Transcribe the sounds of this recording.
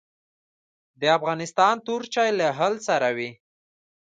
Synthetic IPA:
d̪əafɣɑnɪst̪ɑnt̪uɾt͡ʃɑjlaɦalsaɾawi

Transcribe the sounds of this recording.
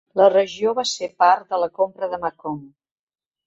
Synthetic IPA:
lərəʒioβasepaɾt̪d̪ələkompɾəðəmakɔm

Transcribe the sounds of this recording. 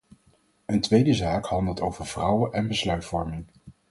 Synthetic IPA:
əntʋejdəzaːkhɑndəlˠtowvəɹv̥rʌwəʔɛnbəslœɥtfɔɹmɪŋ

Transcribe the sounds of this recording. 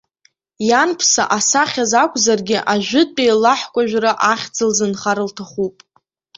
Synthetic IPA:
janpʰsa̰ʔasaχʲazakʷʼzarɡʲɪʔaʒʷᶣʊd̚ʼt͡pʼejlaħkʷʼaʒᶣraʔaχʲd͡zɨlzɨnχaɾɨltʰaχupʼ

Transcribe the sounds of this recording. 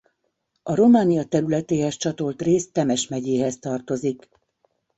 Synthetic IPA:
ɒɾo̞maːnijɒt̪ɛɾylɛt̪eːɦɛst͡ʃɒt̪o̞lt̪reːst̪ɛmɛʃmɛɟeːɦɛst̪ɒrt̪o̞zik

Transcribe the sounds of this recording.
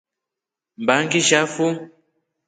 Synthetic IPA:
mbaŋɡiʒafu

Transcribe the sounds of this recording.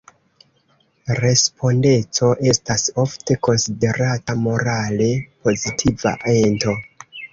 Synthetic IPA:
ɾe̞spʰo̞nde̞t͡so̞ʔe̞staso̞fte̞ko̞nside̞ɾatamo̞ɾale̞po̞zitʰiva̰ʔe̞nto̞

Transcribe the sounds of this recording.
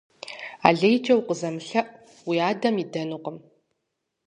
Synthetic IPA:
a̰ːɮejd͡ʒʼɐwqəzɐmɨɬɐʔ | wiaːdɐmidɐnuqʼəm

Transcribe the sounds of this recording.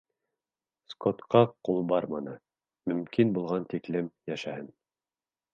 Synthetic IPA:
skot̪qɑqulˠbɑɾmɑnɤ | mɵ̆mkinbulˠʁɑnt̪iklɘmjæʃæhɘn

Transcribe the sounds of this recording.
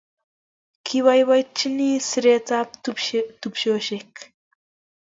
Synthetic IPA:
kʰiwajwajt͡ʃːiniːsɾeːt͡sapt̪et̪upʃoːʃek

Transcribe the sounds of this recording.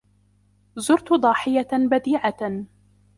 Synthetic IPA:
zʊɾt̪d̪ˤɑːħɪjabad̪iːʕa

